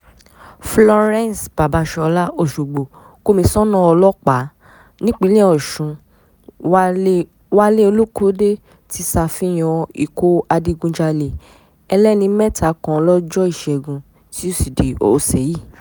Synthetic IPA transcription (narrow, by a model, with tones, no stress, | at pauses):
flɔ˧ɾɛ̃˦n˨sb̥a˨ba˧˦ʃɔ˧la˦o˦˨ʃu˨ɡ͡bo˨ | ko˦mĩ˧sɔ˦nɔ̃˦˨ɔ˧lɔ˦k͡pa˨˦ | nĩ˦k͡pi˨˦lĩ˦ɔ˨ʃũ˨˧˦ | wa˦le˦o˧lo˦ko˦de˦ | ti˦sa˧˨fĩ˦j̃ɔ̃˧i˨ko˦a˧di˧ɡũ˧d͡ʒa˧le˨ | ɛ˧lɛ˦nĩ˧˦mɛ˦tʰa˨˦kɔ̃˨˧lɔ˦d͡ʒɔ˦i˦˨ʃɛ˨ɡũ˧ | ti˦o˦˨si˨de˨o̰˨˧˨sɛ˨ji˦˨